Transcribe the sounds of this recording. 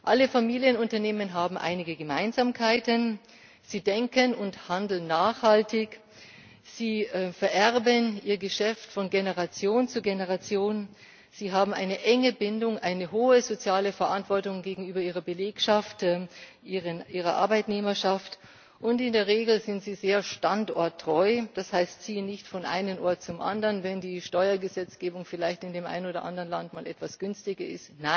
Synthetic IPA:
ʔaləfamiːljənʊntɐneːmənɦaːbm̩ʔa̰ɪnɪɡəɡəma̰ɪnzaːmkʰaɪtən | z̥iːdɛŋkənʊnthandl̩nːaːχhaltɪç | z̥iːɛfɛɐʔɛʁbənʔiːɐɡəʃɛftfɔnɡenəʁat͡sjoːnt͡suɡenəʁat͡sjoːn | z̥iːɦaːbm̩ʔa̰ɪnəʔɛŋəbɪndʊŋʔaɪnəɦoːəzot͡sjaːləfɛɐʔantv̥ɔɐtʊŋɡeːɡŋ̩yːbɐiːʁɐbəleːkʃaftɛʔiːʁənʔiːʁ̞ɐʔa̰ɐbaɪtneːmɐʃaft | ʔʊntɪndeːɐʁ̞eːɡl̩zɪntz̥iːzeːɐʃtantɔ̰ɐtʰːʁ̥ɔʏd̥ashaɪstt͡siːənɪçtfɔnʔa̰ɪnənʔɔɐt̚t͡sʊmʔa̰ndɐnvɛndiːʃtɔʏɐɡəzɛt͡sɡ̥eːbʊŋfɪlaɪçtɪndeːmʔa̰ɪnoːdɐ̰ʔa̰ndəʁənlantmaːlʔɛ̰tv̥asɡ̥ʏnstɪɡɐʔɪ̰stnaɪn

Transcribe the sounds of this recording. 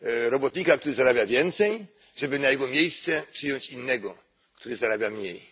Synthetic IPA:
ɾɔbɔt̪ɲikakt̪uɾɘzaɾabʲjavʲjɛnt̪sɛj | ʐɛbɘnajɛɡɔmʲjejst̪sɛpʂɘjɔɲt͡ɕinːɛɡɔ | kt̪uɾɘzaɾabʲjamɲej

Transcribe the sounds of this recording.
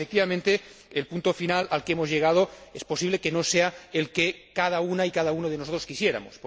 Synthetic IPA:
fek̚t̪iβamẽnt̪e̞elpunt̪ofinalalkemozʝeɣ̞að̞oespo̞siβle̞keno̞seaelkekaðaunaikaðaunoðenoso̞t̪ɾoskisje̞ɾa̰mo̰sp

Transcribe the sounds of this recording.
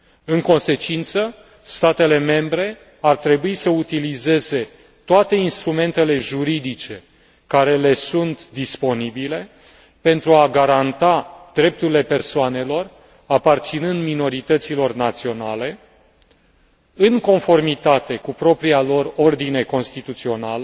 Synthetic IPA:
ɨŋko̞nse̞t͡ʃint̪sə | st̪at̪e̞le̞me̞mbɾe̞ | art̪ɾe̞buisəut̪ilize̞ze̞ | t̪oat̪e̞inst̪ɾume̞nt̪e̞le̞ʒuɾid̪it͡ʃe̞ | kaɾe̞le̞sunt̪d̪ispo̞nibile̞ | pe̞nt̪ɾuaɡaɾant̪ad̪̥ɾe̞p̚t̪uɾile̞pe̞rsoane̞lo̞r | apart̪sinɨnd̪mino̞ɾit̪ət̪silo̞rnat̪sio̞nale̞ | ɨŋko̞nfo̞rmit̪at̪e̞kupɾo̞pɾialo̞ro̞rd̪ine̞ko̞nst̪it̪ut̪sio̞nalə

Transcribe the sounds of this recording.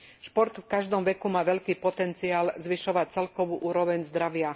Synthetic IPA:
ʃpɔɾt̪fkaʒd̪ɔmʋɛkumaːʋɛʎkiːpɔt̪ɛnt͡siaːlzʋiʃɔʋac̚t͡sɛlkɔʋuːʔuːɾɔʋɛɲzd̪ɾaʋɪa

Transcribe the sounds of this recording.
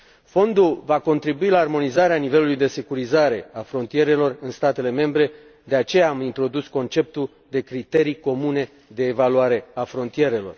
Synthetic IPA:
fo̞nd̪ulvako̞nt̪ɾibuilaːrmo̞nizaɾeanive̞lulujd̪e̞se̞kuɾizaɾe̞afɾo̞nt̪ije̞ɾe̞lo̞rɨnst̪at̪e̞le̞me̞mbɾe̞ | d̪e̞at͡ʃe̞jaːmint̪ɾo̞d̪usko̞nt͡ʃe̞p̚t̪ul | d̪e̞kɾit̪e̞ɾijko̞mune̞ | d̪e̞ːvaluaɾe̞afɾo̞nt̪ije̞ɾe̞lo̞̰r

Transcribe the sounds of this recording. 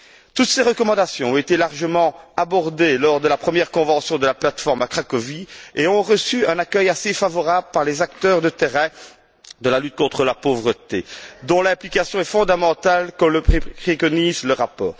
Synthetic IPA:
t̪ut̪seʁəkɔmɑ̃d̪asjɔ̃ɔ̃et̪elaʁʒəmɑ̃abɔʁd̪elɔʁd̪əlapχəmjɛʁkɔ̃vɑ̃sjɔ̃d̪əlaplat̪fɔʁmakχakɔvieɔ̃ʁəsyɛ̃nakʲœjasefavɔʁabləpaʁlezak̚t̪œːʁd̪ət̪eʁɛ̃ | d̪əlalyt̪̚kɔ̃t̪χəlapovʁət̪ḛd̪ɔ̃lɛ̃plikasjɔ̃ɛfɔ̃d̪amɑ̃t̪alkɔ̃ləχekɔnizləʁapɔːʁ

